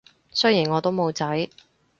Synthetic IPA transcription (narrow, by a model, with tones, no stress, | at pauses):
sɵ˥jiː˨˩nŋɔː˨˧t̪o˥wmo˨˧wt͡sɐ˨˥j